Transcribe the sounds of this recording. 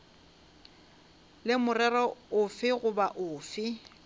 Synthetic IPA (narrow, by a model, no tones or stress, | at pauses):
lɪmʊrɛrɔʊfɪɣʊbaʔʊːfɪ